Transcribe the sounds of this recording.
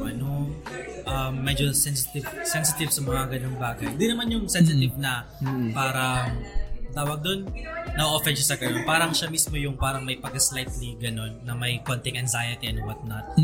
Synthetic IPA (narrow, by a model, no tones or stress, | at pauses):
ʔɐnoʔɐmːɛd͡ʒosɛnsɪt̪ɪvsɛnsɪt̪ɪvsɐmɐŋaɡɐnoŋbaːɡɐjnd̪inɐmanjʊŋsɛns̬ɪt̪ɪvnɐ | paːɾɐ | t̪aːwɐɡ̚d̪o̞nːɐʔoʔofɛnʃasɐɡɐno̞npaːɾɐŋʃɐmismo̞jʊŋpaːɾɐŋmɐjpɐɡɐslajt̪liɡɐno̞nːɐmɐjkont̪ɪŋʔɐnzajɐt̪iɐnwɐt̪̚nɐt̪̚